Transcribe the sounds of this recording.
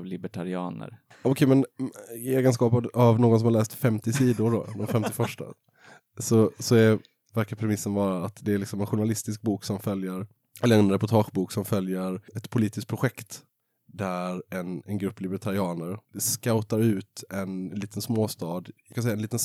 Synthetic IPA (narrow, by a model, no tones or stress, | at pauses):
vlɪbɛʈʰaɾɪɑ̰ːnə̰ɾ | ɑʊkʰɛmɛneːɡənskɑːpad̪avnoːɡɔnsɔmhalɛːst̪fɛmt̪ɪsiːd̪ʊɖɔ̰d̪ɔmfɛmt̪ɪfœʂʈa̰ | sɔsɔɛɾ | væɾkaɾpʰɾɛmɪsːənvɑːɾaːt̪d̪ɛæɾlɪksɔmɛnɧʊɳalɪst̪ɪsk̚buːksɔmfœljəɾ | ɛlːəɾɛnɾɛpʊʈʰɑːɧbuːksɔmfœljəɾɛt̪pʰʊliːt̪ɪsk̪̚pʰɾʊɧɛkt̪ | d̪æɾɛnɛnɡɾɵpːlɪbəʈʰaɾɪɑːnəɾskaʊt̪aɾʉ̟ːt̪ɛnliːt̪ənsmoːst̪ɑːd̪kansɛjaɛnliːt̪ən